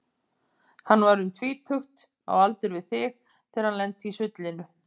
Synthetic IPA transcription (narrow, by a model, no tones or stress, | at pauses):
hanːvaɾʏmt̪ʰviːt̪ʰœxt̪ | a̰walt̪ʏɾvɪðθɪx | t̪ʰɛːɾ̥hanlɛnt̪isʏt̪lɪnʏ